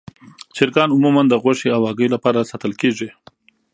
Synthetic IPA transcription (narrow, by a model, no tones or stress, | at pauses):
t͡ʃɪɾkɑnʊmumand̪əɣwaʂeawɑɡəjlapɑɾasat̪əlkeʐi